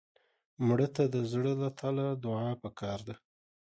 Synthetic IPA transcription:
mɽət̪ad̪əzɽəlat̪ʰalad̪ʊɑpəkʰɑɾd̪a

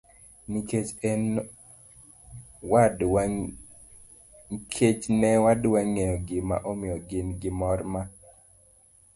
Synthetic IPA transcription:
niket͡ʃɛn | wad | kʰet͡ʃnɛwadwaŋejɔɡɪma̰ʔomɪjɔɡɪnɡɪmɔrma

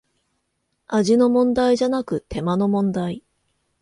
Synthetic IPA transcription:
aʑino̞mõ̞nd̪aiʑanakɯ̟t̪e̞mano̞mõ̞nd̪ai

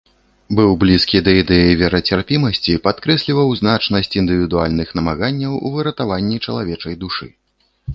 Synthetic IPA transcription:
bɨwblʲiskʲid̪ɐid̪ɛjɐjvʲɛɾɐt͡sʲarpʲimɐsʲt͡sʲipat̪kɾɛsʲlʲivɐwzn̪at͡ʂnɐsʲt͡sʲind̪ɨvʲid̪ualʲnɨxnɐmaɣanʲːɐwṵvɨɾɐt̪avanʲːit͡ʂɐlˠavʲɛt͡ʂɐjd̪uʂɨ̰

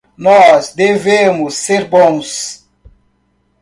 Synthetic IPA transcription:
nɔzd̪evẽmʊsːeɾbõw̃s

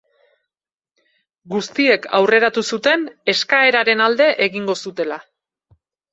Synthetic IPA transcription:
ɡust̪ie̞kʰawre̞ɾat̪usut̪e̞ne̞skae̞ɾaɾe̞nald̪e̞ʔeɣiŋɡo̞sut̪e̞la

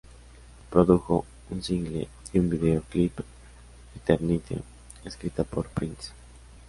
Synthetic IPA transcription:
pɾoðuxo̞̰ | unsiŋɡlḛ | iumbiðeoklip | it̪eɾnit̪ʰḛ | eskɾit̪apoɾpɾins

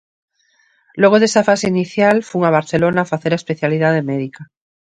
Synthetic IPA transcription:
lweɣ̞oðesafaseiniθjalfuŋaβaɾθelo̞nafaθeɾaespeθjaliðaðemeðika

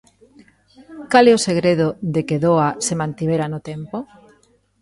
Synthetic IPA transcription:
kalɛoseɣɾeð̞ʊðekeðoasemãnt̪iβ̞eɾanʊt̪empo

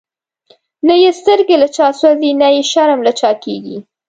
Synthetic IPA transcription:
najest̪əɾɡelat͡ʃɑswazenajeʃaɾmlat͡ʃɑkeɡi

